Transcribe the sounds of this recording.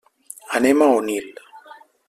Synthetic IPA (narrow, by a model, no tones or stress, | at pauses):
anemaonil